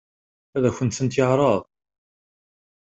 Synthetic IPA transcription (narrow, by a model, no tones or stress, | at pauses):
æðæçʷənt̪sənt̪jəʕɾˤɑðˤ